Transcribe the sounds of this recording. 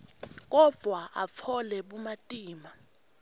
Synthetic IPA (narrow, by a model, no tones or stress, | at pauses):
k̬ɔv̥ʱwaʔap̪fʰɔlɛɓumatʼiːma